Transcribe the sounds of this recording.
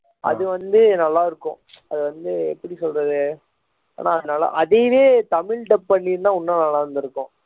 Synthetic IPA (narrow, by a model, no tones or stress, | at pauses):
ɐ̰ðɯʋɐnd̪ɯnɐlːaːɪɾɯkːʊ̰̃ | ɐðɯʋɐnd̪ɯɛpːɐɽisɔlrɐðɯ | a̰ːnaːɐðɯnaːlɐ̰ʔɐðeːʋeːt̪ɐmɪɭʈɐpːɐɳːiːðɯnãːʊnːɐnɐlːaːɾɐnd̪ɪɾɯkːʊ̃